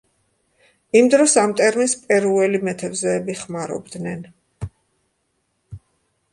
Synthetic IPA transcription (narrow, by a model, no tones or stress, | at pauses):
imd̪ɾɔsamt̪ʼɛɾminspʼɛɾuɛlimɛt̪ʰɛbzɛːbiχmaɾɔ̰bd̪nɛn